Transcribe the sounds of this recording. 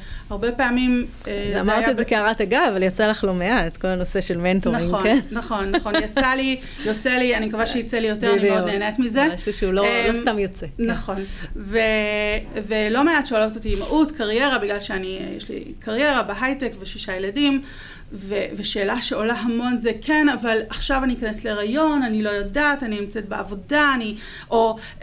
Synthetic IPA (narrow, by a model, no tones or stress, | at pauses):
aʁbepeːmim | eazzamaʁt̪ietzekiaʁataɡaavaljat͡salaχlomeaetko̞lano̞seʃelmentonaiŋokennaχo̞nːχonjat͡sali | jo̞t͡selianimkavaʃejit͡selijo̞teʁnieoneːnetmizeʃuʃeulolost̪amjot͡senɐχo̞nve | velo̞me̞atʃeolotatimaʔutkaʁje̞ʁabiɡlalʃeanijḛʃlḭ | kʰaʁje̞ʁabeɦajtekveʃiʃajeladim | veveʃe̞ːlaʃe̞o̞laɦamo̞nzekʰenavalaχʃavaniikanesleʁajo̞nanilo̞jodaːtaninimt͡setbea̰vo̞daːni | ʔo